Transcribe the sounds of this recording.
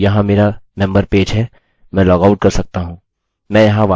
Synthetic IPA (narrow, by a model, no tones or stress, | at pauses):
jɐɦãmeːɾamɛ̃mbəɾpeːd͡ʒɦɛ | mɛ̃ːlɔːɡaʊʈ̚kɐɾsɐk̚t̪aɦũː | mɛ̃ːjɐɦãʋaː